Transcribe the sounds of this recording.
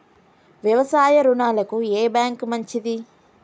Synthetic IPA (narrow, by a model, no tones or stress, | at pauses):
ʋjɐʋɐsaːjɐɾunaːlɐkueːbjaːŋkmɐɲt͡ʃid̪i